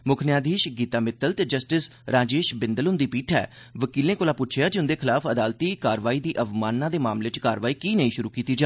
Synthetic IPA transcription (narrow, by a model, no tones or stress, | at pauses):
mʊkʰnɪjaːd̪iːʃɡiːt̪aːmɪt̪əlt̪eːd͡ʒəsʈɪsɾaːd͡ʒeːʃbɪnd̪əlʊnd̪iːpiːʈʰɛ̰ː | ʋəkiːlẽːkoːlaːpʊtːʃʰjaːd͡ʒʊnd̪eːkʰɪlaːfəd̪aːlt̪iːkaːɾʋaːiːd̪iːʔəʋmaːnːãːd̪eːmaːmleːɪt͡ʃkaːɾʋaːiːkiːnəĩːʃʊɾuːkiːt̪iːd͡ʒaː